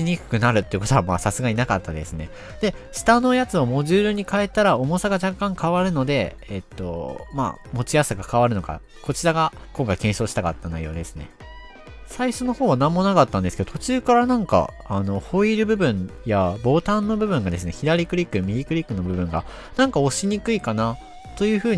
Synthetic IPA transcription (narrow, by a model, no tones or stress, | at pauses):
t͡ɕiɲ̟ikɯ̥kɯ̟naɾɯ̟t̪ːe̞iɯ̟ko̞t̪oamaːsasɨɡainakat̪ːad̪e̞̰sɨne̞ | d̪̥e̞ɕi̥t̪ano̞jat͡sɨo̞mo̞ʑɨːɾɯɲ̟ikae̞t̪ːaɾao̞mo̞saɡaʑakːãŋkaβaɾɯ̟no̞d̪e̞ː | t̪ːo̞̰ma̰ːmo̞t͡ɕijasaɡakaβaɾɯno̞ɡa̰ | ko̞t͡ɕiɾaɡa | kõ̞ŋkaikẽɰ̃ɕo̞ːɕi̥t̪aka̰t̪ːanaijo̞ːd̪e̞sɨ̥ne̞̰ | saiɕo̞no̞ho̞ːβanãmːo̞nakat̪ːãnd̪esked̪ot̪o̞t͡ɕɨːkaɾanãŋka̰ː | no̞ho̞iɾɯ̟bɯ̟bɯ̟̃ɰjabo̞ːt̪ãnːo̞bɯ̟bɯ̟̃ŋɡad̪e̞sɨne̞çiɾaɾʲikɯ̟ɾʲikːɯ̟mʲiɾʲikɯ̟ɾʲikːɯ̟no̞bɯ̟bɯ̟̃ŋɡa̰ | nãŋkao̞ɕiɲ̟ikɯ̟ikana | t̪o̞jɯ̟ːɸɯ̟ːɲ